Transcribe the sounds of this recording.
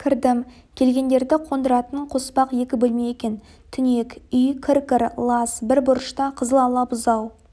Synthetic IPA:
kʲʰɪɾd̪ɪm | kʲʰe̞lɡʲe̞nd̪eɾd̪ɪqʰo̞nd̪əɾɑt̪ənɴqʰo̞spɑqje̞kʲɪbɵlmejekʲe̞n | t̪ʰʏne̞kʲʏjkʲʰɪɾkʲɪɾlˠɑsbɪɾbʊɾəʃt̪ɑqʰəzəlˠɑlˠɑpʊzɑw

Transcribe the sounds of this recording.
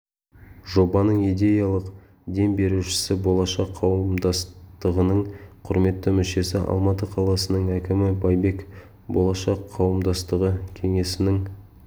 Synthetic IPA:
ʒo̞bɑnəɴijd̪e̞jɑlˠəq | d̪e̞mbe̞ɾuʃɪ̥sɪbo̞lˠɑʃɑqʰːɑwəmd̪ɑst̪əʁənəɴqʰʊɾme̞t̪ːɪmʏʃe̞sɪʔɑ̰lˠmɑt̪əqʰɑlˠɑsənəɴækʲɪmɪbɑjbe̞k | bo̞lˠɑʃɑqʰːɑwəmd̪ɑst̪əʁəkʲʰe̞ŋe̞sɪnɪŋ

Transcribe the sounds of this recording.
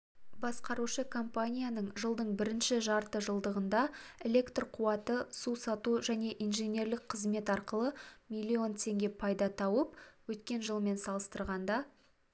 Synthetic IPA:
bɑsqɑɾuʃəkʰo̞mpanʲijanəɴʒəlˠd̪əɴbɪɾɪnʃɪʒɑɾt̪əʒəlˠd̪əʁənd̪ɑelʲe̞kt̪rqʰuɑt̪əsusɑt̪uʒæne̞ʔinʒenʲe̞ɾlɪk̚qʰəzme̞t̪ɑɾqəlˠəmijlʲːio̞nt̪ʰe̞ŋɡʲe̞pʰɑjd̪ɑt̪ʰɑwəpwɵt̪kʲe̞nʒəlˠme̞nsɑlˠəst̪əɾʁɑnd̪ɑ

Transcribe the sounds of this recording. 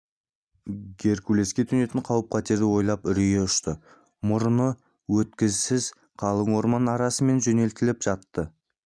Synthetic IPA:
ɡʲe̞ɾkʲule̞skʲe̞t̪ʰʏne̞t̪ɪɴqʰɑwəp̚qʰɑt̪eɾd̪ɪwo̞jlˠɑpʏɾije̞ʊʃt̪ə | mʊɾənə | wɵt̪kʲɪzsɪz | qʰɑlˠəɴwo̞ɾmɑnɑɾɑsəme̞nʒɵne̞lt̪ɪlɪpʒ̥ɑt̪ːə

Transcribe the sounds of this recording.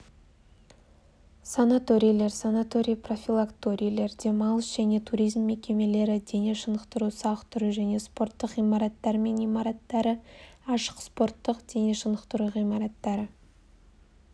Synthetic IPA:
sanat̪o̞ɾʲijlˠe̞ɾsanat̪o̞ɾʲijpro̞fʲilˠakt̪o̞ɾʲijlˠe̞ɾd̪e̞mɑlˠəsʒæne̞t̪ʰuɾijzmːe̞kʲe̞me̞le̞ɾɪd̪e̞neʃənəqt̪əɾusɑqt̪ʰʏɾəʒæne̞spo̞ɾt̪ːəqijmɑɾɑt̪ːɑɾme̞nijmɑɾɑt̪ːɑɾəɑʃə̥qspo̞ɾt̪ːəqd̪̥e̞neʃənəqt̪əɾuʁijmɑɾɑt̪ːɑɾə

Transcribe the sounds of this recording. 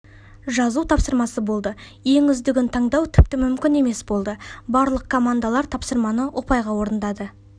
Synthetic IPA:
ʒɑzut̪ʰɑpsəɾmɑsəbo̞lˠd̪ə | je̞ŋʏzd̪ɪɡʲɪnt̪ʰɑɴd̪ɑwt̪ʰɪp̚t̪ɪmʏmkʲɪne̞me̞sbo̞lˠd̪əbɑɾlˠəq̚kʰo̞mand̪alˠɑɾt̪ʰɑpsəɾmɑnəwʔo̞pɑjʁɑwo̞ɾənd̪ɑd̪ə

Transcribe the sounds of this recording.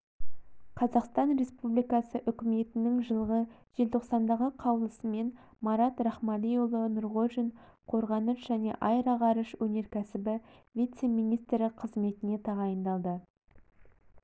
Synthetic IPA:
qʰɑzɑqst̪ɑnɾe̞spublijkɑsəʔʏkʲɪme̞t̪ɪnɪŋʒəlˠʁəʒ̥e̞lt̪ʰo̞qsɑnd̪ɑʁəqʰɑwlˠəsəme̞n | mɑɾɑt̪ɾɑχmɑlʲijolˠənʊɾʁoʒinqʰo̞ɾʁɑnəʃʒ̥æne̞̰ʔɑjɾɑʁɑɾəʃwɵne̞ɾkʲʰæsɪbɪvʲit̪se̞mijnijst̪ɾɪqʰəzme̞t̪ɪne̞t̪ʰɑʁɑjənd̪ɑlˠd̪ə

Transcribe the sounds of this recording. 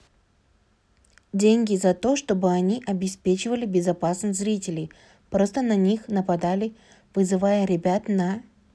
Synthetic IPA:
dʲenʲɡʲɪzɐt̪o̞ʂt̪o̞bɨɐnʲiʔɐbʲɪspʲet͡ɕɪvəlʲɪbʲɪzɐpasnɨsʲzɾʲitʲɪlʲɪj | pɾo̞st̪ənɐnʲixnəpɐd̪alʲɪ | v̥ɨzɨvajəɾʲɪbʲat̪nɐ

